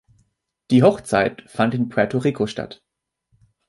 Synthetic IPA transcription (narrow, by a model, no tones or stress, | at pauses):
d̥iːɦɔχt͡saɪtfantɪnpʰʁɛtʰoʁikʰoʃta̰t